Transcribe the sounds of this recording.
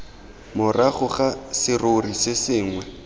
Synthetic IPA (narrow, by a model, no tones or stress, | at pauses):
mʊraχʊχasɪrorisɪsɪːŋwɛ